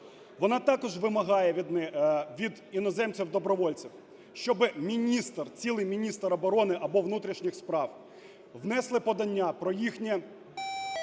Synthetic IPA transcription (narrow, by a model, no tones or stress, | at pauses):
ʋɔnɑt̪ɑkɔʒʋɪmɐɦɑjɛ | ʋʲid̪inɔzɛmt͡sʲiwd̪ɔbɾɔʋɔlʲt͡sʲiw | ʃt͡ʃɔbɪmʲinʲist̪rt͡sʲilˠɪjmʲinʲist̪ɾɔbɔɾɔnɪʔɐbɔʋnut̪ɾʲiʃnʲɪxspɾɑw | ʋnɛslˠɪpɔd̪ɐnʲːapɾɔjixnʲɛ